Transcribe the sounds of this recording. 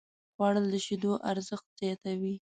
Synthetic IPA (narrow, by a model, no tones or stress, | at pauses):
ɣwɑɽəld̪əʃid̪oʔaɾzəxt̪̚z̥jɑt̪awi